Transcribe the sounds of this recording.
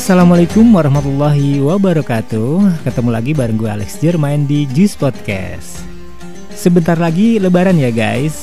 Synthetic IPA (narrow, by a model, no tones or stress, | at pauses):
asalamalakʊmwaɾɔhmat̪ulːaɦiwabaɾɔkat̪ukət̪əmulaɡibaɾəŋɡua̰lɛ̰ksd͡ʒərmaɪndid͡ʒuspɔt̪̚kɛ̰ | sː | əbənt̪arlaɡiləbaɾanjaɡa̰js